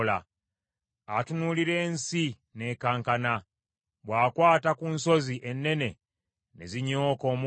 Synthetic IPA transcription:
la | atunuliɾe̞ːnsi | ne̞ːkaːŋkana | βwaːkwaːtakunso̞ziʔe̞nːe̞ne̞ | ne̞ziɲo̞ːko̞ːmu

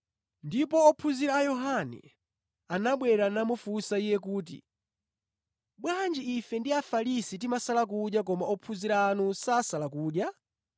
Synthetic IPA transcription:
ndipɔːpʰuziɾaːjɔɦanɛ̰ | anaɓwɛɾanamufusaijɛkuːt̬ḭ | ɓwand͡ʒiifɛndiafalisitimasalak̬uɗjak̬ɔmaɔpʰuziɾaːnusaːsalakuːɗja

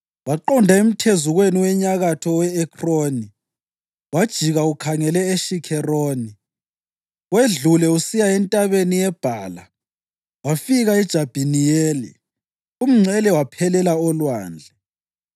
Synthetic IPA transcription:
waǃɔndʱaem̩tʰezuɣweniwɛɲaɣatʰɔwɛːkʰroːni | wad̥ʒ̥ʱiɣaukʰaŋɛlɛeʃikʰɛroːni | weɮulɛusijaɛntʼaβenijɛb̥ʱaːla | wafiɣaɛd̥ʒ̥ʱab̥ʱinijeːlḭ | um̩ŋ͡ǀʱɛlɛwapʰɛlɛlaɔlwa̰ːnd͡ɮʱɛ

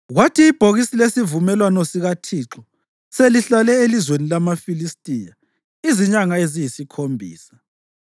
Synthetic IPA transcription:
ɣwatʰiːb̥ʱoɣisilesivumɛlwanɔsiɣatʰiːǁɔ | seliɬalɛelizwenilamafilistʼija | iziɲaŋaezijisikʰombʱḭːsḁ

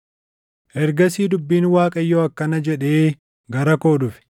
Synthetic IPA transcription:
ʔɛɾɡɐs̬iːd̪ʊbːiːnwaːkʼɐjːoːɐkːɐnɐd͡ʒɛᶑeː | ɡɐɾɐko̞ːᶑʊfɪ̥

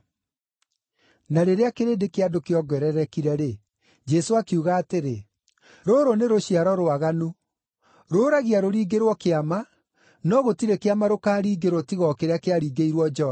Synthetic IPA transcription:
naɾeɾeakeɾeːdekeadokeɔɡwɛɾɛɾɛkiɾɛɾe | d͡ʒɛsoakuɣaːteɾe | ɾoɾoneɾoɕiaɾɔɾoaɣanu | ɾoːɾaɣiaɾoɾiːɡeɾwɔkeama | nɔɣotiɾekeamaɾokaːɾiːɡeɾwɔtiɣɔkeɾeakeaɾiːɡeiɾwɔd͡ʒɔ

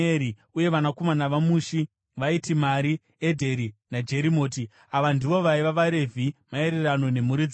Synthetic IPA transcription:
eɾi | uje̞ʋanako̞manaʋamuːʃi | ʋaitimaɾi | edʱe̞ɾinad͡ʒe̞ɾimo̞ːti | aʋandiʋo̞ʋaiʋaʋaɾe̞vʱimae̞ɾerano̞ne̞muɾid͡z

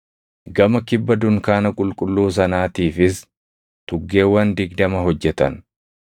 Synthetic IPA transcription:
ɡɐmɐkɪbːɐd̪ʊŋkaːnɐkʼʊlkʼʊlːuːs̬ɐnaːt̪iːfɪs | t̪ʊɡːe̞ːwːɐnd̪ɪɡd̪ɐmɐɦɔd͡ʒːɛt̪ɐ̰n

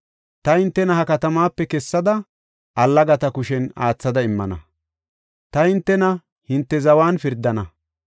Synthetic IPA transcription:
t̪ɐhɪnt̪ːɛnɐhɐkɐt̪ɐmaːpːɛkɛsːɐd̪ɐ | ʔɐlːɐɡɐt̪ɐkʊʃɛna̰ːt͡sːɐd̪ɐɪmːɐ̰nɐ̰ | t̪ɐhɪnt̪ːɛnɐ | hɪnt̪ːɛzɐwaːnfɪɾd̪ːɐnɐ

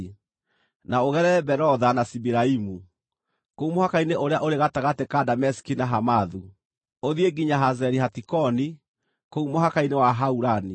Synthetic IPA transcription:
naoɣɛɾɛɛbɛɾɔðanasibiɾaimu | koumohakaineʔoɾeaʔoɾeɣataɣatekadamɛsi̥kinaɦamaðu | oðieɡiɲaɦazɛɾiɦatikɔni | koumoɦakainewaɦauɾani

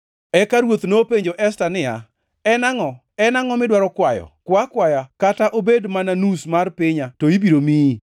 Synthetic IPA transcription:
ɛkaɾwot̪nopeɲd͡ʒoʔɛstanɪa̰ | ɛnaŋɔ | ɛnaŋɔmɪdwaɾɔkwajɔ̰kwakwajakataʔobedmananusmarpɪɲatoibiɾomi

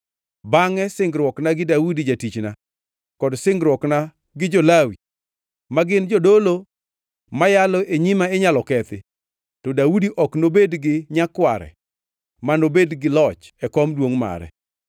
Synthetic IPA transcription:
baŋɛsɪŋɡɾwɔknaɡɪdaudid͡ʒatit͡ʃna | kɔdsɪŋɡɾwɔkna | ɡɪd͡ʒolawi | maɡɪnd͡ʒodolo | majalɔʔeɲimaeɲalɔkɛt̪ɪ | tɔdaudiʔɔknobedɡɪɲakwaɾɛ̰ | manobedɡɪlɔt͡ʃɛkɔmdwoŋma̰ɾɛ̰

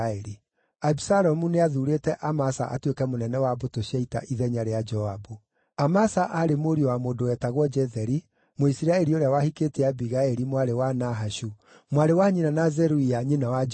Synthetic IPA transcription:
ɛɾi | abisaɾɔmuneaðuɾeːtɛʔamasa̰ʔa̰twekɛmonɛnɛwabotoɕɛita̰ʔiðɛɲaɾead͡ʒɔabu | amasaʔaɾemoɾiowamoːdowɛtaɣwɔd͡ʒɛðɛɾi | moisiɾaɛɾioɾeawahiketeabiɣaɛɾimwaɾewanaɦaʃu | mwaɾewaɲinanazɛɾuiaɲenawa

